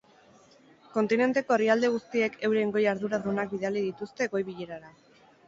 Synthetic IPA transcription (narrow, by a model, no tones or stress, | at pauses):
ko̞nt̪ine̞nt̪e̞ko̞eriald̪e̞ɣ̞ust̪ie̞kʰe̞wɾe̞ŋɡo̞jaɾðuɾaðunak̚biðaliðit̪ust̪e̞ɣo̞jβiʎe̞ɾaɾa